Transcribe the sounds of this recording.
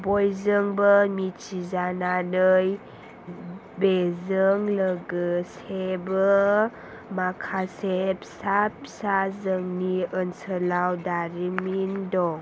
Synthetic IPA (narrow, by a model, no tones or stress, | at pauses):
bɔjzəŋbəmit͡ʃizananəj | bezəŋləɡɯsebə | makʰasep̚sap̚sazəŋniənsəlawdaɾimindɔ